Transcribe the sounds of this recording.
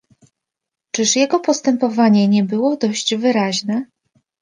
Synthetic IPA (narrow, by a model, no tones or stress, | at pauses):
t͡ʂɘʂjɛɡɔpɔst̪ɛmpɔvaɲɛɲɛbɘwɔd̪ɔɕd͡ʑvɘɾaʑnɛ